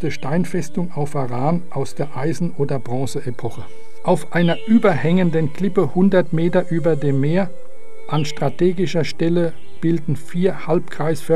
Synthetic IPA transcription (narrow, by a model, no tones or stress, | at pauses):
təʃtaɪnfɛstʊŋaʊfaʁaːnʔaʊsd̥eːɐʔaɪzn̩ʔoːdɐbʁɔ̃ːsəepʰɔχə | ʔaʊfʔaɪnɐʔyːbɐhɛŋəndənkl̥ɪpəhʊndɐtmeːtɐʔyːbɐdeːmːeːɐ | ʔanʃtʁ̥atʰeːɡɪʃɐʃtɛlə | b̥ɪldn̩fiːɐhalpkʁ̥aɪsfɛ